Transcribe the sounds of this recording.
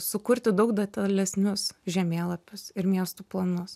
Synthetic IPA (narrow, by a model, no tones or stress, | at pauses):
sʊkʊɾʲt̪ʲɪd̪ɐʊkd̪ɐt̪ʲɐlʲɛsʲnʲʊsʒʲɛmʲeːlˠɐpʲʊsɪɾmʲiɛst̪uːplˠɐnʊs